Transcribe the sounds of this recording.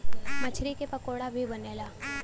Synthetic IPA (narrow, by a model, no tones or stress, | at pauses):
mɐt͡ʃʰɾikepɐkoːɽabʱibɐneːlaː